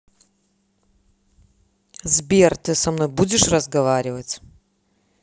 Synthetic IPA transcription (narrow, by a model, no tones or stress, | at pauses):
zbʲert̪ɨsɐmno̞jbudʲɪʂrəzɡɐvaɾʲɪvət͡sʲ